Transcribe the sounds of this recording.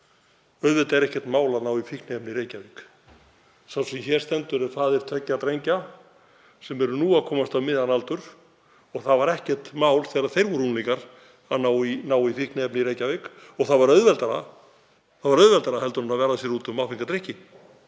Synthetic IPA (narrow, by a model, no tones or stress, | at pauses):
œɥðvɛlt̪aɛɾɛhcɛɾ̥t̪maːwlaðnaːwifihknɪɛpnɪiɾeːjcavɪk | sawsɛmçɛɾ̥st̪ɛnt̪ʏɾɛ̥θaːðɪɛɾ̥t̪ʰœcːat̪ɾejɲca | sɛmɛɾʏnuːaðkʰɔːmast̪amɪðanalt̪ʏɾ̥ | ɔɣθavaɾɛhcɛ̥t̪maːwlθɛːɾaðθejɾvʏɾunliŋkaɾ | aðnaːwinaːwifihknɪɛpnɪiɾejcavɪk | ɔɣθaðvaɾœɥðvɛlt̪aɾa̰ | θaðvaɾœðvɛlt̪aɾaɦɛlt̪ʏɾʏmnaðvɛːɾðasjɛɾuːt̪ʏmawfiŋkat̪ɾɪhcɪ